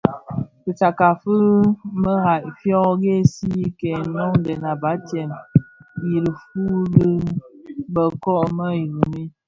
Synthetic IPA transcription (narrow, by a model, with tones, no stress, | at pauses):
ki˨t͡sa˨ka˨fə˦mə˦ɣa˨ʔfjɔ˦ɡe˦˨si˦kɛ˨nɔ˦ŋ˦dɛ˨na˨ba˨˦tjɛ˨mji˨ɾi˨fu˦ɡi˦ | bə˨kɔ˦ʔmə˦i˨ɣu˨mi˦